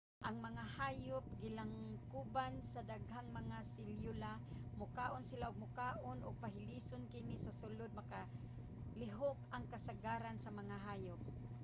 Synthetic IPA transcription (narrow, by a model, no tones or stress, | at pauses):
ʔaŋmaŋahaːjʊp̚ɡɪlaŋkubansadaɡhaŋmaŋasɪljʊlamʊkaːʔʊnsɪlaʊɡ̚mʊkaːʔonʔʊɡ̚paɦɪlisonkɪnɪsasʊlʊd̪̚maka | lɪɦʊkaŋkasaɡaːɾansamaŋaɦaːjʊp̚